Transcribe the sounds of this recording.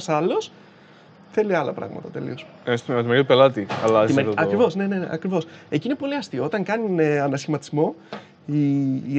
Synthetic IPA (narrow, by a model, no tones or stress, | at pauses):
sɐlo̞s | θe̞liɐlɐ̰pɾɐ̰ɣmɐ̰t̪ɐt̪e̞lḭo̞sst̪mt̪imeɾit̪upelɐt̪iɐ̰lɐziɐkɾivo̞zne̞ne̞ne̞̰ʔɐ̰kɾivo̞se̞ciine̞po̞liɐst̪io̞o̞t̪ɐŋkɐnineɐnɐsçimɐt̪izmo̞ | i